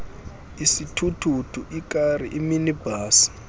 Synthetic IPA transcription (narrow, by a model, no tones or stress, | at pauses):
isitʰutʰutʰuʔikʼariʔiminibʱaːsi̥